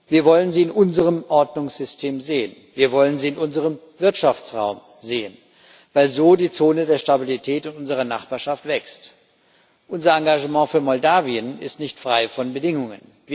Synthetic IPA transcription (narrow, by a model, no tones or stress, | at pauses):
viːɐvɔlənziːɪnʔʊnzəʁəmʔɔɐdnʊŋsz̥ʏstʰeːmzeːənviːɐvɔlənziːɪnʔʊnzəʁ̞əm | vɪɐtʃaft͡sʁa̰ʊm | zeːən | vaɪlzoːdiːt͡soːnədeːɐʃtabilitʰɛːtʊntʔʊnzəʁ̞ɐna̰χb̥aːɐʃaftv̥ɛkst | ʔʊnzɐãŋɡaʒəmɑ̃ːfyːɐmɔldaːviənɪstnɪçtfʁ̥aɪfɔnbədɪŋʊŋən | viː